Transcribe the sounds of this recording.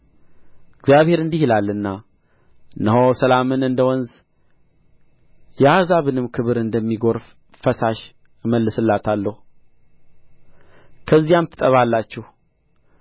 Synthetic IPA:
ɪɡzjaβhe̞ɾɨnd̪ihilalːɨnːa | nːəɦosəlamɨnɨnd̪əwɔnz | jɛazaβɨnɨmkʰɨβɨɾɨnd̪əmːiɡo̞ɾf | fəsaʃ | məlːɨsɨlːat̪ʰalːəhu | kʰəzːijamt̪ʰɨ̥t̪ʼəβalːat͡ʃːɛh

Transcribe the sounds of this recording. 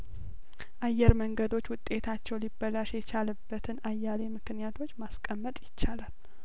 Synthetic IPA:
ʔajːɛɾməŋɡəd̪o̞t͡ʃːwʊt̪ʼe̞t̪ʰat͡ʃːɛwlibːəlaʃjɛt͡ʃʰalɨbːət̪ʰɨnajːalemɨknijat̪ʰo̞t͡ʃːmaskʼəmːət̪ʼjɪt͡ʃːalal

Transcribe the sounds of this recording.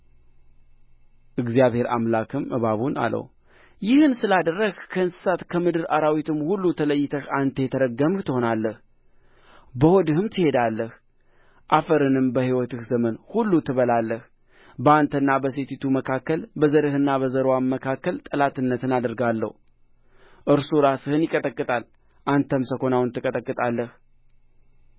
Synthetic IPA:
ʔɨɡzijaβhe̞ɾa̰mlakʰɨmʔɨβaβuna̰lʔə̰w | jɪhɨnsɨlad̪ərːəɡkʰəɨnsɨ̥sat̪kʰəmɨd̪ɨɾʔaɾawit̪ʰɨmhulːut̪ʰələjːɪt̪ʰəhant̪ʰəjɛt̪ʰəɾəɡːəmht̪ʰɨho̞nalːəh | bəhod̪ɨhɨmt̪ʰɨhe̞d̪alːəh | ʔafəɾɨnɨmbəhiwɔt̪ɨhzəmənhulːut̪ʰɨβəlalːəh | bəant̪ʰənːabəset̪ʰit̪ʰuməkʰakːəlbəzəɾɨhɨnːabəzəɾwamːəkʰakːəlt̪ʼəlat̪ɨnːət̪ʰɨnad̪əɾɡalːə̰hu | ʔɨɾsuɾasɨhɨnjɪkʼət̪ʼəkʼːɨt̪ʼal | ʔant̪ʰəmsəko̞nawɨnt̪ʰɨkʼət̪ʼəkʼːɨt̪ʼalːəh

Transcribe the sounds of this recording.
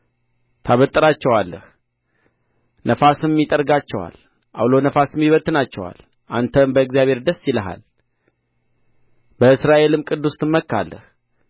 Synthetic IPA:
t̪ʰaβət̪ʼːɨɾat͡ʃːɛwalːə̰h | nəfasɨmmːit̪ʼəɾɡat͡ʃːɛwa̰l | ʔa̰wlonəfasɨmːiβət̪ːɨnat͡ʃːɛwa̰l | ʔant̪ʰəmbəɨɡzijaβhe̞ɾd̪əsːiləɦa̰l | bəɨsɾaʔe̞lɨmkʼɨd̪ːust̪ʰɨmːəkːa̰lːə̰h

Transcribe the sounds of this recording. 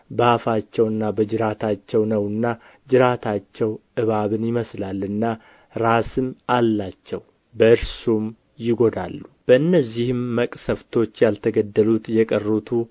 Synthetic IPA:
bəafat͡ʃːɛwɨnːabəd͡ʒɨɾat̪ʰat͡ʃːɛwnəwɨnːa | d͡ʒɨɾat̪ʰat͡ʃːɛwʔɨβaβɨnjɪməslalɨnːa | ɾasɨmalːat͡ʃːɛw | bəɨɾsum | jɪɡo̞d̪a̰lːub̥əɨnːəzːihɨmːəkʼsəft̪ʰo̞t͡ʃːjalt̪ʰəɡəd̪ːəlut̪jɛkʼərːut̪ʰu

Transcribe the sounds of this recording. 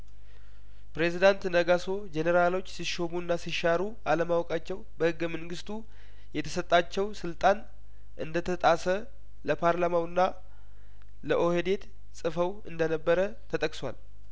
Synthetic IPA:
pɾe̞zid̪ant̪nəɡaso̞d͡ʒenəɾalo̞t͡ʃːsiʃomunːasiʃaɾu | aləmawɔkʼat͡ʃːɛwbəhɨɡːəməŋɡɨst̪ʰu | jɛt̪ʰə̥sət̪ʼːat͡ʃːɛwsɨlt̪ʼan | ʔɨnd̪ət̪ʰət̪ʼasə | ləpʰaɾlamawɨnːa | ləʔohed̪e̞t̪ | sʼɨfəwɨnd̪ənəbːəɾə | t̪ʰət̪ʼəkʼswa̰l

